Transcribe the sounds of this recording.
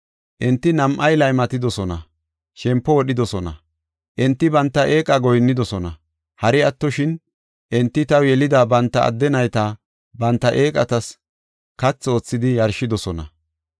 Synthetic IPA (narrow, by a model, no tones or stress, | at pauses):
ʔɪnt̪ːɪnɐmʔɐjlɐjmɐt̪ɪd̪ɔsɔnɐ̰ | ʃɛmpːɔwɔɗɪd̪ɔsɔnɐ | ʔɪnt̪ːɪbɐnt̪ːɐʔe̞ːkʼɐɡɔjnːɪd̪ɔsɔnɐ | hɐɾɪɐt̪ːɔʃɪn | ʔɪnt̪ːɪt̪ɐwjɛlɪd̪ɐbɐnt̪ːɐɐ̰d̪ːɛnɐjt̪ɐ | bɐnt̪ːɐʔeːkʼɐt̪ɐs | kɐt͡sːo̞ːt͡sːɪd̪ɪjɐɾʃɪd̪ɔsɔnɐ̰